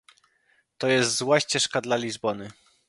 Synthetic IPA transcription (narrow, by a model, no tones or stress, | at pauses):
t̪ɔjɛst̪zwaɕt͡ɕɛʂkad̪lalʲizbɔnɘ